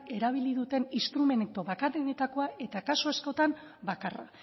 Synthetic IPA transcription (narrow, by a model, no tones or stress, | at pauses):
e̞ɾaβ̞ilið̞ut̪e̞nist̪ɾume̞nt̪o̞βakareðet̪ako̞aʔe̞t̪akasoesko̞t̪am | bakara̰